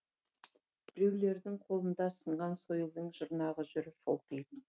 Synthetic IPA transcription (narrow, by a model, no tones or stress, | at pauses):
b̥ɪɾe̞wle̞ɾd̪ɪŋqʰolˠənd̪ɑsəɴʁɑnsojəlˠd̪əɴʒəɾnɑʁəʒʏɾɪfo̰lˠkejd̪ɪ